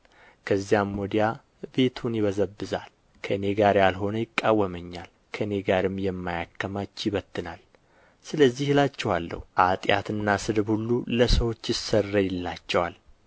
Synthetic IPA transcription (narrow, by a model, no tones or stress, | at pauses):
kʰəzːijamːɔd̪ija | be̞t̪ʰunjɪβəzəbːɨzal | kʰəɨne̞ɡaɾjalɦo̞nəjɪkʼːawːəməɲːal | kʰəɨne̞ɡaɾɨmjɛmːajakːəmat͡ʃːjɪβət̪ːɨnal | sɨləzːihɨlat͡ʃːɛwalːə̰huʔat̪ʼja̰t̪ɨnːasɨd̪ɨbhulːuləsəwo̞t͡ʃːjɪsːərːəjɪlːat͡ʃːɛwal